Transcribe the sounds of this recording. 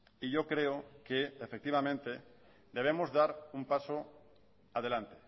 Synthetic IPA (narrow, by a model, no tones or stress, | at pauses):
iʝo̞kɾeokeːfek̚t̪iβ̞amẽnt̪e̞ | d̪e̞β̞emozðaɾumpaso | að̞e̞lant̪e̥